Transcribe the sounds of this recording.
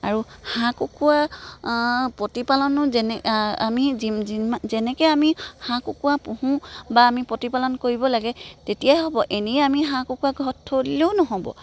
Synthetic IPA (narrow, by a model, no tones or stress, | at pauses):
aɹuhãkukʰuwa | pɹotipalɔnʊzɛnɛa̰miziimazɛnɛkɛamihãkukuwapũhũbaːmipotipalɔnkoɹibɔlaɡɛtetijajɦɔbɔʔeneamiɦãkokuwaɡʱɔtʰːolileʊnɔɦɔbɔ̰